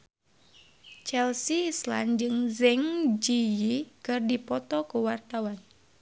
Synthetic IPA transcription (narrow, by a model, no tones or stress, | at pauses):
t͡ʃɛlsiːsla̰nd͡ʒɨŋzɛŋd͡ʒijikɨrdipɔt̪ɔkuwart̪awan